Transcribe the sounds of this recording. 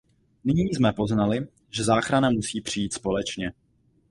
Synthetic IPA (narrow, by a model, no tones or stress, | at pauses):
nɪɲiːzmɛpo̞znalɪ | ʒɛzaːxɾanamusiːpr̥ɪjiːt̪spo̞lɛt͡ʃɲɛ